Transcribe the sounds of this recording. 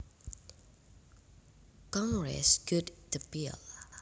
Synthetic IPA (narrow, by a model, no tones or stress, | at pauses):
kɔ̃ŋɡɹɛ̰sɡ̥udəpil